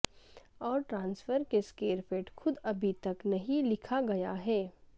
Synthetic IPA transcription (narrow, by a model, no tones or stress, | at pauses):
ɔːɾʈɾãːnsfəɾkeskeːɾfeːʈxʊd̪ɐbʱit̪ɐknɐɦĩlɪkʰaɡɐjaɦɛː